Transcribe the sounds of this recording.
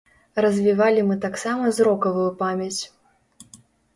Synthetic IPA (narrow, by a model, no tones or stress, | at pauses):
rɐzʲvʲivalʲimɨt̪aksamɐzɾɔkɐvujupamʲɐt͡sʲ